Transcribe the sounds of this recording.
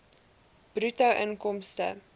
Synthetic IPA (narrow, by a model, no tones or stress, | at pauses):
b̥rytɐwʔənkɔmstə̰